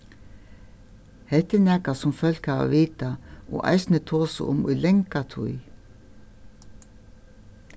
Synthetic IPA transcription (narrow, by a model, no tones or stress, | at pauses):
hɛlt̪ɪnɛːkasʊmfœl̥khaːva̰viːt̪aɔ̰ʔa̰jsnɪt̪ʰoːsə̰ʔʊ̰mʊ̰jlɛŋkat̪ʰṵj